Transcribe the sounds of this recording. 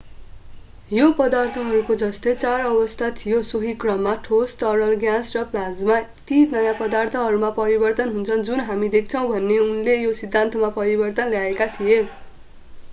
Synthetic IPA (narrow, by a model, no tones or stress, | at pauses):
jopʌd̪art̪ʰʌɦʌɾukod͡zʌst̪ʌjt͡saɾʌbʌst̪ʰat̪ʰijosoɦikrʌmːaʈʰosʈʌnʌlɡjãsrʌplad͡zmaet̪inʌjãpʌd̪art̪ʰʌɦʌɾumapʌɾibʌrt̪ʌnɦunt͡sʰʌnd͡zunɦamid̪ek̚ʰt͡sʰʌ̃w̃bʱʌnːeunlejosid̪ʱːant̪ʌmapʌɾibʌrt̪ʌnljaekat̪ʰije